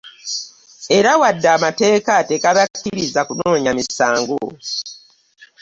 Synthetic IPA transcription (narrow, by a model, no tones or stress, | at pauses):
e̞ɾawadːaːmate̞ːkatekaβacːiɾizakuno̞ːɲamisaːŋɡo̰